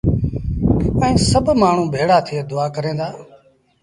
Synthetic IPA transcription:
pəĩːsəbʱmaːɳ̤ũːbʱeːɽaːt̪ʰɪeːd̪ʊaːkəɾẽːd̪aː

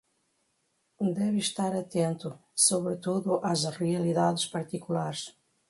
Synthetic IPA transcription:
d̪ɛvʃt̪aɾɐt̪ẽnt̪ʊsoβɾɪt̪uðʊʔazriɐliðaðɪʃpɐɾt̪ikulaɾs

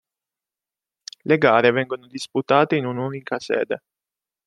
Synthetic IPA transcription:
leɡaːɾevɛŋɡonod̪isput̪aːt̪einunuːnikasɛ̰ːd̪e

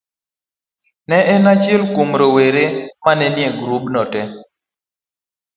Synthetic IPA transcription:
nɛʔɛnat͡ʃɪlkumɾoweɾemanɛnjeɡɾubnɔtɛ

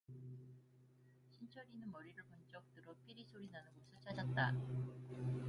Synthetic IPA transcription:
ɕʰint͡ɕʰʌɾinɯnmʌɾiɾɯɭpʌnt͡ɕ͈ʌk̚t͈ɯɾʌpʰiɾisʰoɾinanɯnɡosʰɯɭt͡ɕʰad͡ʑʌt̚t͈a

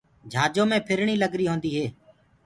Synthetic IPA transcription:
d͡ʒʱaːd͡ʒõːmẽːpʰɪɾɳiːləɡɾiːɦoːnd̪iːɦeː

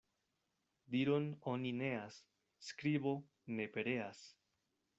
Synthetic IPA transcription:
diɾo̞no̞nine̞asː | kɾibo̞ | ne̞pe̞ɾe̞as

